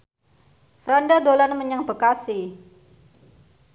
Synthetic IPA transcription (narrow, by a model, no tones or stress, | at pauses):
fɾandad̪olanməɲaŋbə̤kasɪ